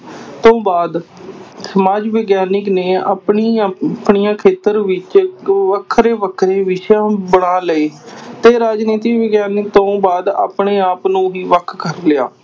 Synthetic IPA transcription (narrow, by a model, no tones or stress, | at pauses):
t̪õːbaːd̪səmaːd͡ʒʋeːɡjaːnɪkneːa̰pɳipɳijãːkʰeːt̪əɾʋɪt͡ʃʋəkʰːɾeːʋəkʰɾeːʋɪʃjãːbəɽaːləeːt̪eːɾaːd͡ʒniːt̪iːʋəːɡjaːnɪk̚t̪õːbaːd̪a̰ːpɳeːaːpnũːɦiːʋəkʰkəɾlɪja̰ː